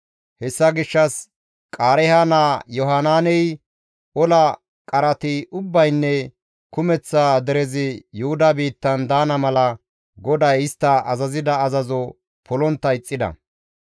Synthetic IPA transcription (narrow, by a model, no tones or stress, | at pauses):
hɛsːɐɡɪʃːɐs | kʼaːɾɛhanaːjɔɦanaːnɛj | ʔɔlɐ | kʼɐɾɐt̪ɪʊbːɐjnːɛ | kʊmɛt͡sːaːd̪ɛɾɛzɪjʊhʊd̪abiːt̪ːɐnd̪aːnɐmɐlɐ | ɡɔd̪ɐjɪst̪ːɐɐzɐzɪd̪ɐːzɐzɔ | pʰɔlɔnt̪ːɐɪt͡sʼːɪd̪ɐ̰